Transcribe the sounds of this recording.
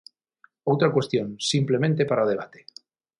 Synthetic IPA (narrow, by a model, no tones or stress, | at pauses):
owt̪ɾakwe̞st̪jonsimplemẽnt̪epaɾaoðeβ̞at̪e